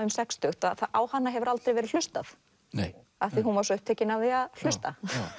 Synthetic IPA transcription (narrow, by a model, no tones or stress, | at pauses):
ʏmsɛkst̪ʏht̪aθaaːwhanːaɦɛvʏɾalt̪ɾejvɛɾɪ̥l̥ʏst̪aθ | aθiɦunvaɾsɔʏhp̚t̪eːcɪnaðɪaðl̥ʏst̪a